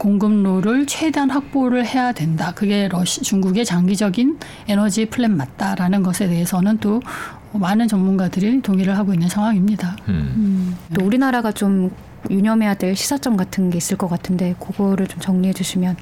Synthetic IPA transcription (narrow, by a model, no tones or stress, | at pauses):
koŋɡɯmnoɾɯɭt͡ɕʰwe̞deanɦak̚p͈oɾɯɭhe̞jadwe̞ndakɯɡe̞ɾʌɕt͡ɕuŋɡuɡe̞t͡ɕaŋɡid͡ʑʌɡin | e̞nʌd͡ʑipʰɯɭːemmat̚t͈aɾanɯnɡʌsʰe̞te̞ɦesʰʌnɯnt͈o | manɯnt͡ɕʌmːunɡadɯɾitoŋiɾɯɭɦaɡoinːɯnsʰaŋɦwaŋimɲida | t͈ouɾinaɾaɡat͡ɕom | juɲʌmɦe̞jadwe̞ɭɕʰi̥sʰat͡ɕ͈ʌmɡatʰɯnɡe̞is͈ɯɭk͈ʌk͈atʰɯnde̞koɡʌɾɯɭt͡ɕomt͡ɕʌŋɲiɦe̞d͡ʑuɕʰimjʌn